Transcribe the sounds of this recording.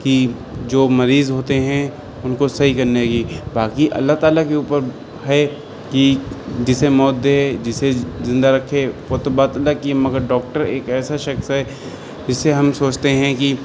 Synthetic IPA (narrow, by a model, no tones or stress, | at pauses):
ki | d͡ʒoːmɐɾiːzɦoːt̪eɦɛ̃ | ʊnkosɐɦikɐɾneɡiːbaːkiʔɐ̰lːaɦt̪aːlakeuːpəɾ | ɦɛ | kid͡ʒɪsemɔːt̪̚d̪ed͡ʒɪsezɪ̃nd̪aɾɐkʰepoːt̪obaːt̪ɐlːakiemɐɡəɾɖɔːk̚ʈəɾeːkɛːsaʃɐxsɦɛ | d͡ʒɪsːeɦɐmsoːt͡ʃt̪eɦɛ̃ki